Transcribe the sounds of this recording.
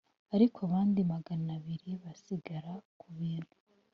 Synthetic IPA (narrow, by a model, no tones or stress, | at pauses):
aɾikʰoaβaːndimaɡanaβiɾiβasiɡaɾakʰuβiːn̥hu̥